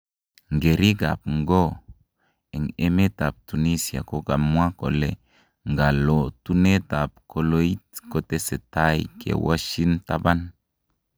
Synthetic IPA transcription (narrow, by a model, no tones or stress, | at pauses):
ŋɡeɾiɡa̰p̚ŋɡo | ɛŋemet̪ap̚t̪unisia̰koɡamuakole | ŋɡalot̪unet̪ap̚kʰoloit̪̚kot̪eset̪ajkʰḛwa̰ʃint̪aban